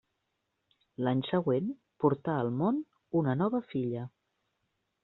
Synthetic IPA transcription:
laɲsəɣwen | puɾt̪aəlˠmon | unənɔβəfiʎə

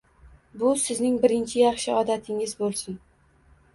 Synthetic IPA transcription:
bʊsɪznɪŋbɪɾɪnt͡ʃʰɪjɑχʃɪɒd̪at̪ʰɪŋɪzbolˠsʊn

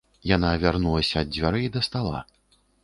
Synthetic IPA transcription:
janavʲarnulˠɐsʲɐːd̪̚d͡zʲvʲaɾɨid̪ɐst̪alˠa̰

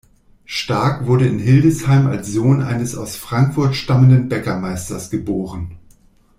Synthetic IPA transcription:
ʃtaɐkv̥ʊɐdəɪnɦɪldəshaɪma̰lsz̥oːnʔa̰ɪnəsa̰ʊsfʁ̥aŋkfʊɐtʃtaməndənbɛkɐmaɪstɐsɡ̥əboːʁ̞ən

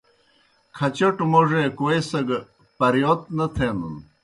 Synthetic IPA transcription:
kʰɐt͡ɕɐʈmoʐekoesɐɡ | pɐɾjot̪̚nɐt̪ʰeːnun

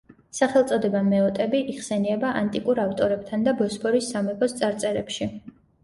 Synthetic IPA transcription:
saχɛlˠt̪sʼɔd̪ɛbamɛɔt̪ʼɛbiʔiʁsɛniɛbaʔant̪ʼikʼuɾaft̪ʼɔɾɛbt̪ʰand̪abɔspʰɔɾisːamɛpʰɔst̪sʼaɾt̪sʼɛɾɛpʃi

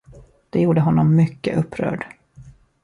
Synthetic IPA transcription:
d̪̥ɛjuːɖəɦɔnːɔmːʏkːə̰ʔɵpːɾœ̰ːɖ

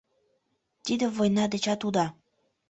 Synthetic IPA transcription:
t̪id̪ɘ̆vojnɑd̪ɘ̆t͡ɕɑt̪ud̪ɑ

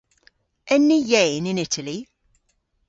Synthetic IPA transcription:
ʔɛnijẽɪnɪ̃nɪtəli

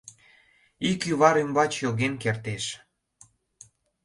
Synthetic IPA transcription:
ikyβɑɾymbɑt͡ɕjoɣenkert̪eʃ

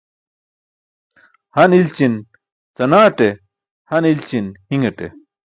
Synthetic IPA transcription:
hɐnilt͡ɕin | t͡sɐnaːʈe | hɐnilt͡ɕinhiŋɐʈḛ

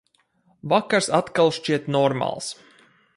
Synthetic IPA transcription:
vakaɾsat̪kalˠʃt͡ʃiɛt̪nɔɾma̰lˠs

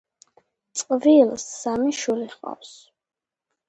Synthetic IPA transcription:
t̪sʼqʼvilˠsːamiʃuliχqʼa̰fs

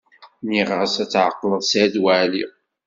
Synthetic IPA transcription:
niʁəsæt͡sːʕəqːləðˤsæd̪wæli

